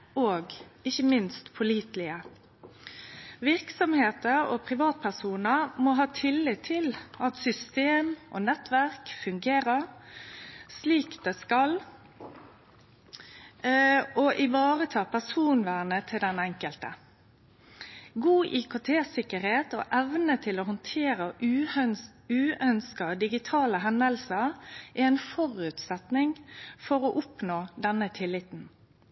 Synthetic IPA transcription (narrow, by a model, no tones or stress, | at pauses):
oːɡɪçəmɪnst̪pʰʊliːt̪lɪə | ʋɪɾksɔmheːt̪əɾɔpʰɾɪʋɑːt̪̚pʰæsuːnəmɔɦɑːt̪ʰɪlːɪt̪ʰːɪlɑt̪sʏst̪eːmʔɔ̰nɛt̪ʋæʁkfʉŋɡeːɾəɾ | sliːkd̪̥ɛskɑl | ɔʔɪʋɑːʁət̪ʰɑːpʰæsuːnʋæːɳət̪ʰɪld̪ɛnɛŋkəlt̪ə̰ | ɡuːʔikʊt̪ʰeːsɪkəɾheːt̪ɔ̰ʔɛʋnət̪ʰɪlɔɦɔnt̪ʰeːɾə | ʉːœnskɑd̪ɪɡɪt̪ʰɑːləɦɛnd̪əlsəɾʔɛɛnfɔʁʉːt̪sɛt̪nɪŋfɔɾɔʔʊpnoːd̪ɛnːət̪ʰɪlːɪt̪n̩